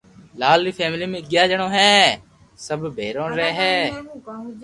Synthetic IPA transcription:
laːlɾiːpʰɛːmliːmẽːɡjaːd͡ʒəɽ̃õːɦɛ̃ː | səbbʱeːɾõːɾɛɦɛː

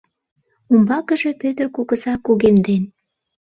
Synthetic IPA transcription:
umbɑkəʒe̽pøt̪ərkuɣəsɑkuɣemd̪en

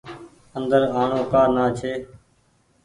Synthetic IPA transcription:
ənd̪əɾaːɳõːkaːɾnaːt͡ʃʰeː

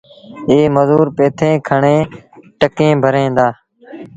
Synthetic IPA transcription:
eːməzuːɾpeːt̪ʰẽːkʰəɳẽːʈəkẽːbʱəɾẽːnd̪aː

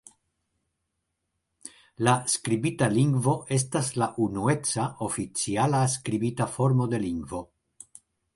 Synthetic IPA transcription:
laskɾibitaliŋɡvo̞ʔe̞s̬taslaʔunue̞t͡saʔo̞fit͡sialas̬kɾibitafo̞ɾmo̞de̞liŋɡvo̞

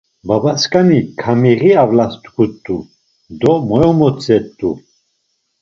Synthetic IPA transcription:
babaskʼanikʰamiʁiavlast̪ʼkʰut̪ʼːu | d̪ɔmɔjɔmɔt͡sʼɛt̪ʼːu

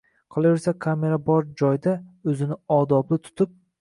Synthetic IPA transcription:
qʰɒlˠave̞ɾsakʲʰame̞ɾabɒɾd͡ʒɒjd̪aɵzɪnɪɒd̪ɒblɪt̪ʰʊ̥t̪ʰɪp̚

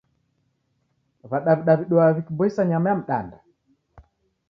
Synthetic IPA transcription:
βaɗaβiɗaβiɗɔaβikibɔisaɲamɛam̩ɗa̰nda

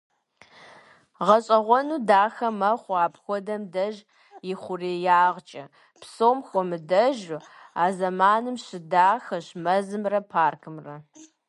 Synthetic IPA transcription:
ʁɐɕʼɐʁʷɔnuːdaːxɐmɐχʷaːpxʷɔdɐmdɐʒ | jɪχʷʊreːjaːʁt͡ʃʼɐ | psoːmxʷɔmɨdɐʒ | aːzɐmaːnɨmɕɪdaːxɐɕmɐzɨmrɐpʰaːrkʰɨmrɐ

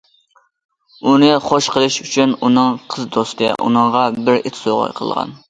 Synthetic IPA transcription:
unɨχoʃqʰəlˠɨʃyt͡ʃʰynunɨŋqʰəzd̪ost̪ɨʔṵnɨɴʁɑbɪɾɪt̪ʰsoʁɑ̰jqʰə̰lˠʁɑ̰n

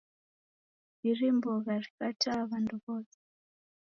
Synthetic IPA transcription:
irimboɣarikatʰaβanduβɔːsɛ̥

